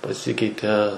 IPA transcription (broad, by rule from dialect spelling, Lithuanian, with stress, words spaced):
pɐˈsʲɪkʲɛɪtʲɛ